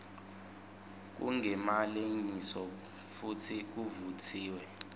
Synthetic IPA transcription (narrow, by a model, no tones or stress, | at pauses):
k̬ṵŋɡʱɛmaleɲisɔ | futʰik̬uvutʰiːwɛ